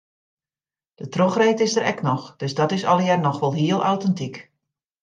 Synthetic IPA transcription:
d̥ətroxreːtɪsdəɾɛ̰knɔxd̥øzdɔtɪsɔ̰lˠjɛrnɔxʋɔlˠɦiəlˠʔawtɛntik

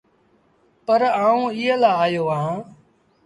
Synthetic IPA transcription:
pəɾaːũːɪɦẽːlaːaːjoːãː

